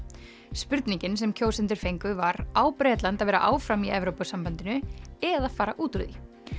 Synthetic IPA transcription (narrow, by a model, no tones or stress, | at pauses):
spʏɾt̪niɲcɪnsɛmcʰoːwsɛnt̪̬ɪɾ̥fejŋkʏvaɾaːwpɾɛːt̪lant̪aðvɛːɾa̰ʔaːwfɾamiɛvɾowpasampant̪ɪnʏɛðaðfaːɾaʔuːt̪ɾʏði